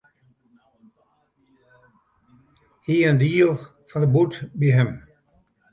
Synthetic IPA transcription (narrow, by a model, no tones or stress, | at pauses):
hiəndiːlˠ | fɔ̃nðəbutbiɦɪm